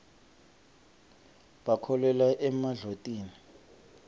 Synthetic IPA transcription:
ɓakʰɔlɛlaʔɛmaɮotʼiːni

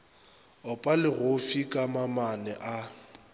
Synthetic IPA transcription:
ʊpʼalɪɣʊfikʼamamanɛʔa

